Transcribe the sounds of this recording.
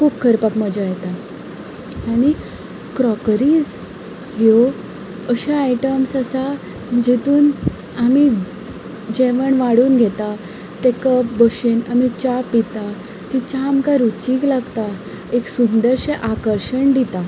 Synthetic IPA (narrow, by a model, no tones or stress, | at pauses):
kʰuːpkʰəɾpakməd͡ʑajɛt̪a | aɽ̃i | kɾɔkɾiːd͡z | ɦjo | əɕaːiʈəmsəsa | d͡ʑit̪uːn | ami | d͡ʑɛʋəɳʋaɽuːnɡʱɛt̪a | t̪ẽkəpbəɕenamit͡ɕapːit̪a | t̪it͡ɕamkaɾut͡ɕiːklaɡt̪a | eksund̪əɾɕeʔakəɾɕəɳɖit̪a